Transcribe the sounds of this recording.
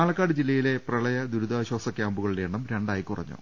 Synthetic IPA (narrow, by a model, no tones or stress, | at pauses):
aːɭɐkːaːɽɨd͡ʑilːɐjile̞prɐɭɐjɐd̪uɾud̪aːɕwɐːsɐkʲjaːmbuɣɐɭʋeːɳːɐmɾe̞ɳɖaːjikurɐ̰ɲːṵ